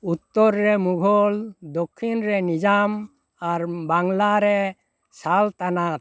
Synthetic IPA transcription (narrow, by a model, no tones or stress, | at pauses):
ut̪ːɔɾːɛmuɡʱɔld̪okʰːinɾɛnid͡ʒam | aɾbaŋlaɾɛ | salt̪anat̪̚